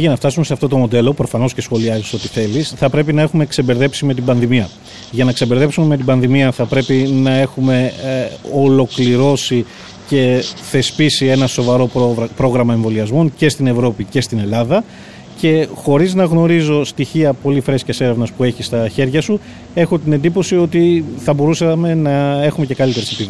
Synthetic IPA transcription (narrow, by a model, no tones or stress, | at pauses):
ʝɐnɐft̪ɐsumeseɐft̪o̞t̪o̞mo̞d̪e̞lo̞pɾo̞fɐno̞sce̞sxo̞liɐziso̞t̪iθe̞lisθɐpɾe̞pinɐe̞xumekse̞be̞ɾðe̞psime̞t̪̬ibɐnðimiɐ | ʝɐnɐksebeɾðe̞psumeme̞t̪̬ibɐnðimiɐθɐpɾe̞pinɐe̞xume̞ | olo̞kliɾo̞si | ce̞θe̞spisie̞nɐso̞vɐɾo̞pɾo̞ɣɾɐmɐe̞ɱvo̞liɐzmo̞nce̞st̪ine̞vɾo̞picest̪ine̞lɐðɐ | ce̞xo̞ɾiznɐɣno̞ɾizo̞st̪içiɐpo̞lifɾe̞scɐse̞ɾe̞vnɐspue̞çist̪ɐçe̞ɾʝɐsu | e̞xo̞t̪ine̞nd̪ipo̞sio̞t̪iθɐbo̞ɾusɐme̞nɐe̞xume̞ce̞kɐlit̪eɾesepi